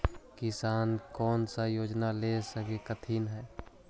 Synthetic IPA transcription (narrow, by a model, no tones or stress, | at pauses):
kɪsaːnkɔːnsajoːd͡ʒnalesəkekət̪ʰiːnɦɛː